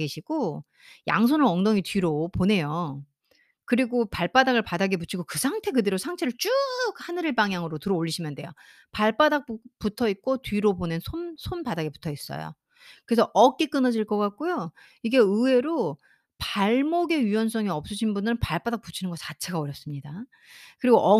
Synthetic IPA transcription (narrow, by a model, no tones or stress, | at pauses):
ɡeɕʰiɡ̥o | ja̰ŋs̬ʰonɯɾʌŋdoŋitɥiɾopone̞jo | kɯɾiɡopaɭp͈adaɡɯɭpadaɡeput͡ɕʰiɡokɯsʰaŋtʰe̞kɯde̞ɾosʰaŋt͡ɕʰeɾɯɭt͡ɕ͈ukhanɯɾeɭpaŋjaŋɯɾotɯɾʌoʎːiɕʰimjʌndwe̞jo | paɭp͈adak̚pputʰʌit̚k͈otɥiɾobonensʰonsʰonpadaɡe̞pu̥tʰʌis͈ʌ̰jo̰ | kɯɾe̞sʰʌʔʌk͈ik͈ɯnʌd͡ʑiɭk͈ʌk͈ak̚k͈ojo | iɡe̞ɯwe̞ɾo | paɭmoɡe̞iwʌns̬͈ʰʌŋiʌp̚s͈ɯɕʰinbundɯɾɯnpaɭp͈adak̚p͈ut͡ɕʰinɯnɡʌt͡ɕat͡ɕʰe̞ɡaoɾjʌp̚s͈ɯmɲida | kɯɾiɡoʔʌ